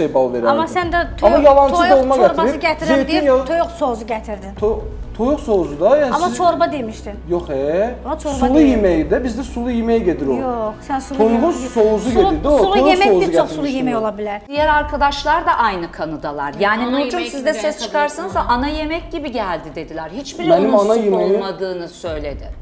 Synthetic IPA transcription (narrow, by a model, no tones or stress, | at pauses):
ʃejbaveɾamasænd̪ɛt̪ʰamajalanʰj̪olˠmaɡaɾbaɾɯet̪ʰɾiit̪ʰojoksozuɟet̪ʰiɾd̪ɪnʰot̪ʰojukso̞zud̪ajanamat͡ʃʰoɾbad̪emiʃt̪ʰijokɛat͡ʃʰosɾulˠujimejd̪ɛbizd̪ɛsulˠujimejiɟed̪iɾojoksænsuojɡusouzueiɾd̪iouojemouɡosulˠujemɛjolˠabilʲiɾd̪̥ijæɾaɾkʰad̪aʃlˠaɾd̪aʔajnɯkʰanɯd̪alˠa̰ɾjaːninud͡ʒunsizd̪ɛsɛst͡ʃʰɯ̥kʰaɾsanɯzaʔanaje̞mɛcɟibiɟælʲd̪id̪e̞d̪ilʲæɾhit͡ʃbiɾenimanajimeimad̪ɯːnɯsø̞jlʲe̞d̪ɪ